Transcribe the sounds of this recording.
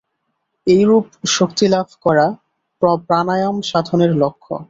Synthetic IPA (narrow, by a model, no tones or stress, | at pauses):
ejɾupʃokt̪ilabʱkɔɾa | pɔpɾanajomʃad̪ʱoneɾlokʰːo̰